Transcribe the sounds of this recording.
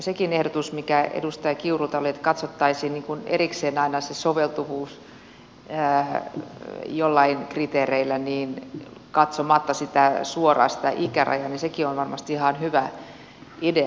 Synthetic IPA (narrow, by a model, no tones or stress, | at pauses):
sekinehdot̪usmikæḛdust̪ɑjɑkiurut̪ɑoliet̪kɑt̪sot̪ːɑisiːnniːŋkunḛrikseːnɑinɑsesoʋelt̪uʋuːs | ə | jolːɑinkrit̪eːreilːˑæniːnkɑt̪somɑt̪ːɑsit̪æsuorɑ̰ːsi̥t̪æ̰ʔikærʔɑ̰jɑnisekionʋɑrmɑst̪ihɑnhyʋæ | ide